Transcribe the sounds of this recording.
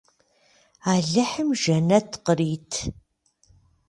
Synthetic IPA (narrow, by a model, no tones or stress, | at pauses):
aːɮɨħɨmʒɐnɐtʰqəɾiːtʰ